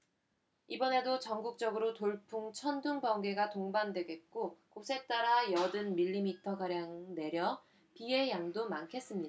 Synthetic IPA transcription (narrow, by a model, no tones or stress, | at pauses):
ibʌne̞dot͡ɕʌŋɡuk̚t͡ɕ͈ʌɡɯɾotoɭpʰuŋt͡ɕʰʌnduŋbʌŋɡe̞ɡatoŋbandwe̞ɡe̞t̚k͈okosʰe̞t͈aɾajʌdɯnmiʎːimitʰʌkaɾjaŋne̞ɾjʌ | pie̞jaŋdomankʰe̞s͈ɯmɲida